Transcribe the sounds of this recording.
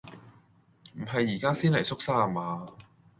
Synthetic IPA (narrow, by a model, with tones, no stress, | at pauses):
m̩˨˩ɦɐ˨jːiː˨˩kaː˥siː˥nlɐ˨˩jsʊ˥k̚saː˥a˨˩maː˨˧˥